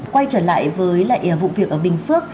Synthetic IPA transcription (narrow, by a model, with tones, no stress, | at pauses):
kwa˧jt͡ɕəː˧˩la̰ː˧˨jvəː˨˦jlaː˨˩ʔi˧˩vṵ˧˨vi˨˩ək̚ʔəː˧˩ɓï˨˩ŋ̟fɨ˦˥ək̚